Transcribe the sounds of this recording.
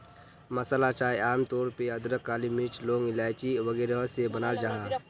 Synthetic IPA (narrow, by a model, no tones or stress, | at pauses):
məsəlat͡ʃaːeaːmt̪ɔːɾpeəd̪ɾəkːaːlimɪt͡ʃlõːŋɪlaːɪt͡ʃiʋəɡeːɾeɦəsebənaːd͡ʒaːɦaː